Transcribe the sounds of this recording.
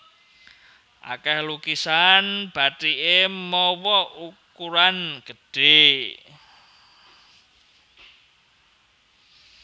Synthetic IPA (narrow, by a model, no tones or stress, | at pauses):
ʔa̰kɛhlukisanb̥a̤tiemɔwɔʔukuɾanɡ̥əɖ̥e̤